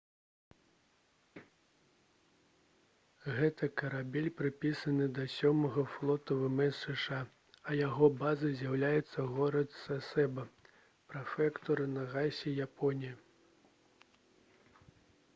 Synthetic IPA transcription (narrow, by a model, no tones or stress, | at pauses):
ɣɛt̪ɐkɐɾabʲɛlʲpɾɨpʲisɐnɨd̪ɐsʲɔmɐɣɐflˠɔt̪ɐvɛmɛsɛʂa | ɐjaɣɔbazɨzʲjawlʲajɛt̪sːɐɣɔɾɐt̪sasɛbɐ | pɾɐfɛkt̪ɔɾɨnɐɣajsʲɛjapʰɔnʲijɐ